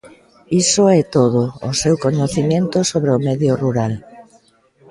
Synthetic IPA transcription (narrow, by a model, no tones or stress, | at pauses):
isʊɛt̪oð̞oːsewkoɲoθimẽnt̪ʊsoβɾeʊmɛðjʊruɾal